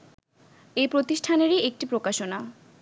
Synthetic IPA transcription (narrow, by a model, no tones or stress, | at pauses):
ejpɾot̪iʃʈʰaneɾiek̚ʈipɾokaʃona